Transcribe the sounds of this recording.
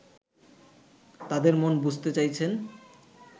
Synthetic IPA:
t̪ad̪eɾmonbud͡ʑʱt̪et͡ɕajt͡ɕʰen

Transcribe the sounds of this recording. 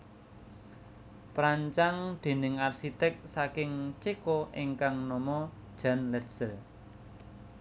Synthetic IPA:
pɾaɲt͡ʃaŋd̪̥e̤nɪŋarsit̪ɛk̚sakɪŋt͡ʃekɔʔeŋkaŋnɔmɔd̥ʒ̥a̤nlɛsəl

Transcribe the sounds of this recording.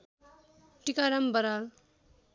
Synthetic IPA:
ʈikaɾʌmbʌɾal

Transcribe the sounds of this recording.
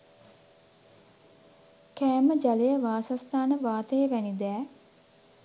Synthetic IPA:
kæːməd͡ʒalejəʋaːsast̪ʰaːnəʋaːt̪əjəʋænid̪ɛː

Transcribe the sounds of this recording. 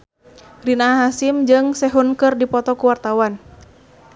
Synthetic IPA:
rinaɦasimd͡ʒɨŋsɛɦunkɨrdipɔt̪ɔkuwart̪awan

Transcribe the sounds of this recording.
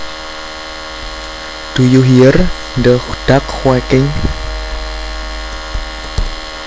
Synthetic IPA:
d̥ujuɦiər | ndəxud̥akxwɛkɪŋ

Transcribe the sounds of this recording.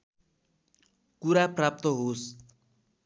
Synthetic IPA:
kuɾaprap̚t̪ʌɦos

